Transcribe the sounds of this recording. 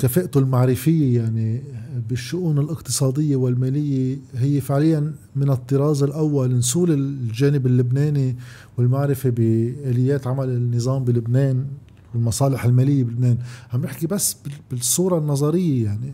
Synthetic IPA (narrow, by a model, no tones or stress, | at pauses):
kafeːʔt̪ulmaʕɾɪfɪjːejaʕnibɪʃːʊʔuːnɪlʔɪqt̪ɨ̥sˤɑːd̪ɪjːewɪlmeːlɪjːeɦɪjːefɪʕlɪjːan | mɪnɨt̪ˤːɨɾˤɑːzˤɪlʔawːalnsuːlɪʒeːnɪbɪlːʊbneːni | wɪlmaʕɾɪfebɪʔeːlɪjːeːt̪ʕamalɪnːɨzˤɑːmbilʊbneːn | wɪlmɑsˤɑːlɪħɪlmeːlɪjːebɪlɪbneːnhamnɪħkibasːbɪb̥ɪsˤːuːɾˤɑnːɑzˤɑɾɪjːejaʕni